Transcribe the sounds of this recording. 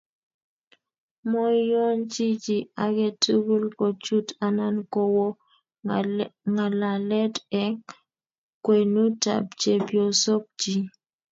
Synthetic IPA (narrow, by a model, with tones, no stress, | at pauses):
mɔ˦jo˦nt͡ʃi˦d͡ʒi˨a˨ɡɛ˦tu˦ɡu˦lkɔ˨t͡ʃu˦ta˦na˦nkɔ˦wɔ˦ | ŋa˨la˨lɛ˦tɛ˦ | kwe˨nu˦ta̰˨p̚t͡ʃe˨bjo˨so˦k̚d͡ʒi˨